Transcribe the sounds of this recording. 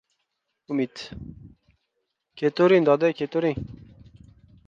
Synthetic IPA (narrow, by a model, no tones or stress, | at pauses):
umit̪ | kʰet̪oɾind̪ɑd̪ɛkʰet̪oɾi